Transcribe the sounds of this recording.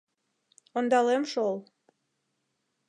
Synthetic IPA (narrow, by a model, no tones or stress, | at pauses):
ond̪ɑlemʃol